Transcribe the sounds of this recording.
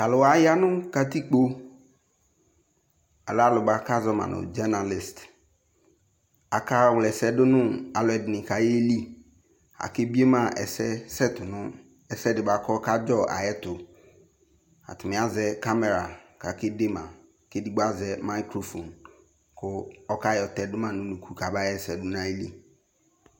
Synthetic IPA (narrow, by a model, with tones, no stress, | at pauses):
ka˨lʊ˨wa˨˦jɪ˦a˦nʊ̃˦ka˨ti˦k͡po˦ | a˨la˦lʊ˨ba˦ka˦zɔ˦mã̰˨nʊ̰˨d͡ʒa˦na˨lɪ˨st | a̰˨kʰa˦wʊ˨lɛ˨sɛ˦dʊ˦nʊ̃˦a̰˨lʊ˨ɛ˨dɪ˨nɪ̃˨ka˨jɛ˦li˦ | a̰˨ke˦bi˦e˦mã˨ɛ̰˨sɛ˦sɛ˦tʊ˨nʊ̃˦ | ɛ˨sɛ˦dɪ˨ba˨kʰɔ˦ka˦d͡ʒɔ˦a̰˨jɛ˦tʊ˨ | a̰˨tʰʊ˨mɪ̃˨˦a˨zɛ˦ka˦mɛ˨ɾa˨ka˨kɪ˦dɪ˦mã̰˨ | ke˦di˦ɡ͡ba˦zɛ˨ma˦kɾo˨fo˨n | kʰʊ˦ɔ˦ka˦jɔ˨tɛ˨dʊ˦mã˨nʊ̃˦nũ˨kʰu˦kʰa˨ba˦ɛ˦sɛ˨dʊ˦n˦a˦e˦lḭ˦